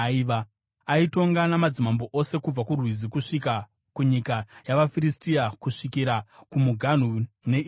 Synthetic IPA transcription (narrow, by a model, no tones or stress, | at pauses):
iʋa | aito̞ŋɡanamad͡zimambo̞ʔo̞se̞kub͡vakurwizikuʂika | kuɲikajaʋafiɾistijakuʂikiɾakumuɡʱan̤u | ne̞